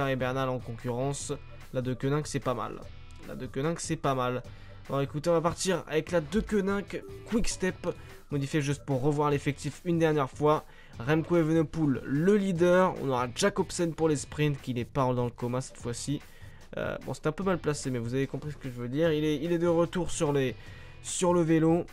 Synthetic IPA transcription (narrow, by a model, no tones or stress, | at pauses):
aʁebɛʁnalɑ̃kɔ̃kʲyʁɑ̃s | lad̪əkʲønɛ̃ksɛpama̰l | la̰d̪økʲønɛ̃ksɛpamal | bɔ̃ekut̪eɔ̃vapaʁt̪iʁa̰vɛklad̪økʲønɛ̃kkwikst̪ɛp | mɔd̪ifjeʒyst̪̚puʁːəvwaʁlefɛk̚t̪ifynd̪ɛʁnjɛʁfwa | ʁɛmkoevənɔpulːəlid̪œʁɔ̰̃nɔʁaʒakɔpsɛnpuʁlespχĩnt̪kʲilɛpaʁld̪ɑ̃ləkɔmãsɛ̥t̪fwasi | ø̰bɔ̰̃sɛ̥t̪ɛ̃pømalplasemɛvuzavekɔ̃pχisə̥kəʒəvød̪iʁilɛilɛd̪əʁət̪uʁsyʁle | syʁləvelo